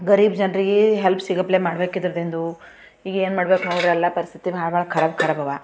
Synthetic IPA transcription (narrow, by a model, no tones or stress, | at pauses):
ɡɐɾiːbd͡ʒɐnɾiɡeɦelpʰsiɡɐpleːmaːɽbeːkid̪ɾɐd̪end̪u | iːɡeːnmaːɽbeːknoːɽɾeɐlːɐpɐɾist̪ʰit̪ibaːɭbaːɭɐkʰɐɾɐbkʰɐɾɐbʱɐʋa